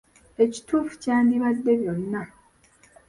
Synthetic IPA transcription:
e̞ci̥tuːfu̥caːnd̪iβad̪ːe̞βjo̞nːa

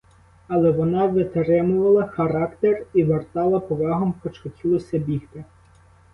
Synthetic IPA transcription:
ɐlˠɛʋɔnɑʋɪt̪ɾɪmʊʋɐlˠɐxɐɾɑkt̪eriʋert̪ɑlˠɐpɔʋɑɦɔmkɔt͡ʃkɔkʲilˠɔsʲɐbʲixt̪e

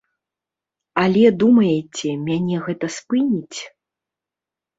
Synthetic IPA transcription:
ɐlʲɛd̪umɐjɛt͡sʲɛmʲanʲɛɣɛt̪ɐspɨnʲit͡sʲ

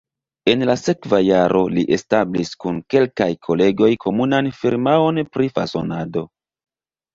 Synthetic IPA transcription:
e̞nlase̞kvajaɾʔo̞liʔe̞stabliskunke̞lkajkʰo̞le̞ɡo̞jkʰo̞munanfiɾmao̞npɾifa̰so̞̰nado̞

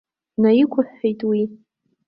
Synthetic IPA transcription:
najikʷʰʊħːejtʼwi

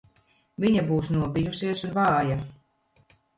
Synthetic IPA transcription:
viɲabuːwsnuɔbʲijusiɛsunvɑːja

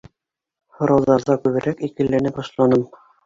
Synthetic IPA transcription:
hŏɾɑwðɑɾðɑkʉβɘ̆ɾʔækikɘ̆lːænɘbɑʃlˠɑnɤm

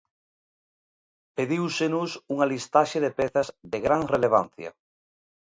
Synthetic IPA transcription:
peðiwsenusuŋalist̪aʃeðepeθazðeɣɾaŋreleβ̞an̟θja̰

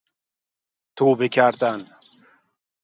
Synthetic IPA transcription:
t̪ʰuːbikʰaɾt̪an

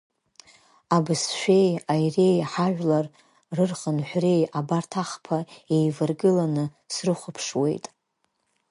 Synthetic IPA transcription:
abɨsʃᶣe̞jajre̞jħaʒᶣʷlar | rɨrχənħʷre̞jabartʰaχpʰae̞jvɨrɡɨlanɨ | srɨχʷʊpʰʂwe̞̰jtʼ

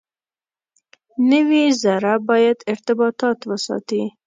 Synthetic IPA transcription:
nəwizaɾabɑjad̪ɪɾt̪ɪbɑt̪ɑt̪wəsɑ̰t̪i

